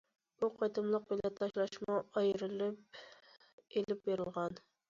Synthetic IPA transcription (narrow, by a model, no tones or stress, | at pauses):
b̥uqʰɑjt̪ɨmlˠəq̚belɛt̪ʰɑʃlˠɑʃmɑɑjɾɨlˠɪp̚ | elɪp̚beɾɪlˠʁɑn